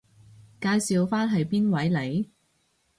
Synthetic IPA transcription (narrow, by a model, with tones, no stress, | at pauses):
kaː˧jsiː˨wfaː˥nɦɐ˨jpiː˥nwɐ˨˥jle˨˧˥j